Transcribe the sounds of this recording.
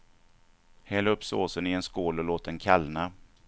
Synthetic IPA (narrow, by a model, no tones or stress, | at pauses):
hɛlɵpːsoːsənɪɛnskoːlɔloːt̪̚ɛnkʰalna